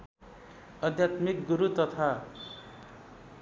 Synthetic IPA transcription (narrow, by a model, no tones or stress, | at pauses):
ʌd̪ʱjat̪mikɡuɾut̪ʌt̪ʰa